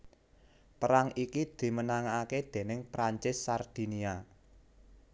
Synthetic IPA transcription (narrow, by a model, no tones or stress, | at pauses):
pəɾaŋikid̪̥i̤mənaŋaːked̪̥e̤nɪŋpɾaɲt͡ʃɪsːard̪̥i̤nia